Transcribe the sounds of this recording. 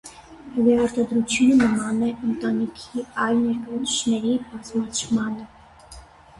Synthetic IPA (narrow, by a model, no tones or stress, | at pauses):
əvɛɑɾt̪ɑd̪ɾut͡sʰjunənəmɑnɛʔənt̪ɑnikʰiɑjlnɛɾkɑɔt͡sʰə̥ʃnɛɾibɑzmɑt͡ʃʰmɑnə